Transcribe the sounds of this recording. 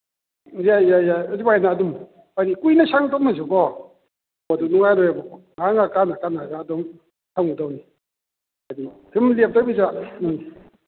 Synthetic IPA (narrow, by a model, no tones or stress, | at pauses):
jajajazibajnaːdum | aɾikujnasaŋtʰɔk̚nazukɔ | badunuŋajɾɔjabɔ | ŋaŋakanakanazaːdɔm | tʰawnudawni | aditʰɯmlep̚tawbizani